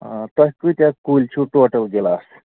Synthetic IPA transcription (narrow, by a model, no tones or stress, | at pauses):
t̪əɦkut̪jakult͡ɕʰuʈoʈəlɡelaːs